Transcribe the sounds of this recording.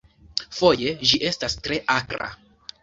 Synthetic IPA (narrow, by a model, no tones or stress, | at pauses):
fo̞je̞d͡ʒiʔe̞stastɾe̞ʔakɾa̰